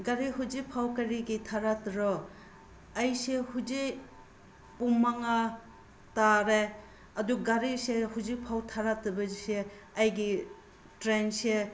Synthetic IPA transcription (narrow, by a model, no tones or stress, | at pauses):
ɡaɾiɦud͡ʒipʰawkaɾiɡitʰaɾatɾɔ | ajsehuzi | pumːaŋa | taɾe | ɐduɡaɾisehuzipʰawtʰaɾatɐbɐd͡ʒise | ajɡi | tɾense